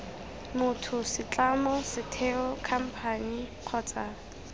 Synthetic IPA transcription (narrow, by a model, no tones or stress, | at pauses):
mʊtʰʊsɪt͡ɬʼamɔsɪtʰɛɔkʰam̩pʰaniq͡χʰɔt͡sʼa